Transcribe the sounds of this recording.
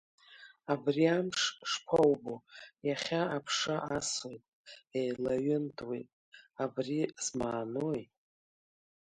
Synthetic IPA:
abriamʂʂpʷʰawbojaχʲaapʰʂaʔasojtʼejlaɥɪntʰwejtʼ | abrizmaːnoj

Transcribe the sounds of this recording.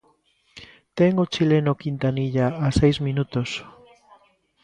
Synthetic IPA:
t̪eŋot͡ʃilenokint̪aniʎaasejzmĩnut̪os

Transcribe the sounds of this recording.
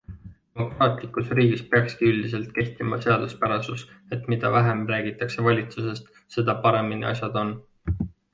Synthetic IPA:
d̪emo̞krɑːt̪ˑlikˑusriːɡispeɑkskiylʲd̪ise̞lt̪̚ke̞ht̪imɑ̰se̞ɑd̪̥uspæɾɑsuse̞t̪mid̪̥ɑvæɦemræːɡ̥it̪ːˑɑkse̞vɑlʲit̪suse̞st̪ | se̞d̪̥ɑpɑɾe̞minḭɑ̰sʲjɑd̪̥o̞n

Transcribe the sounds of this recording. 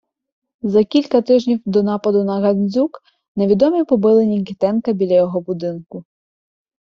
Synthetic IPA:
zɐkʲilʲkɐt̪ɪʒnʲiwd̪ɔnɑpɐd̪ʊnɐɣɐnʲzʲuk | ne̞ʋʲid̪ɔmʲipɔbɪlˠenʲiŋkɪt̪ɛnkɐbʲilʲɐjɔɦɔbʊd̪ɪnkʊ

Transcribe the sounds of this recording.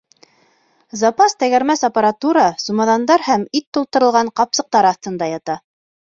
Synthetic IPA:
zɑpɑst̪æɡæɾmæsapɑɾat̪uɾɑsumɑðɑnd̪ɑɾhæmit̪ːulˠt̪ɤ̆ɾɤ̆lˠʁɑɴqɑpsɤ̆q̚t̪ɑɾɑθt̪ɤ̆nd̪ɑjɑt̪ɑ

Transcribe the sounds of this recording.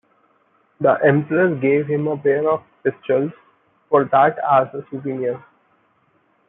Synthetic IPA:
d̪əʔɛ̃mpəɾəɾɡeːʋɦɪ̃məpeːəɾɔfpɪst͡ʃəls | fɔːɾd̪æʈæzəsupiɾiə̃ɾ

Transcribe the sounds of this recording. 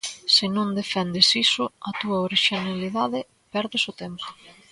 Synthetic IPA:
sɪnõnd̪efɛnd̪esisʊɐt̪uɐoɾiʃinaliðaðɪ | pɛɾðesʊt̪ɛmpʊ̥

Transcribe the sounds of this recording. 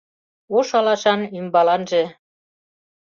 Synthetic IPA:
oʃɑlɑʃɑnymbɑlɑnʒĕ

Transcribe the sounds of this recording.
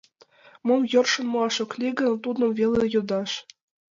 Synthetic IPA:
mɤ̆mjɤ̆rʂɤ̆nmɤ̆ɑʂɤ̆klʲiɡɘ̆nt̪ud̪ɤ̆mvʲelʲĕjɤ̆d̪ɑʂ

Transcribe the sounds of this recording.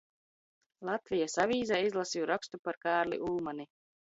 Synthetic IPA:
lˠat̪vʲijasavʲiːzaizlˠasijuɾakst̪upaɾkaːɾlʲḭʔuːmani

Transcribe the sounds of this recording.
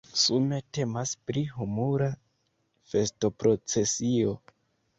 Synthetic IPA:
sume̞te̞maspɾiɦumuɾa | fe̞sto̞pɾo̞t͡se̞sio̞

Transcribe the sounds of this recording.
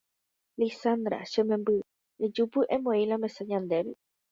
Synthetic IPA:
lisand̪ɾa̰ʃemẽmbɨ | ed͡ʒupɨʔẽmõilamẽsaɲãnd̪eɾi

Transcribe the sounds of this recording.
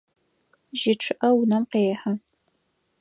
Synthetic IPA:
ʒɪʈ͡ʂʰɨʔɐwnɐmqeːħa

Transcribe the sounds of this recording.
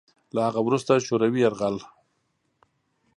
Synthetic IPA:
lahaɣawɾust̪aʃoɾawiaɾɣal

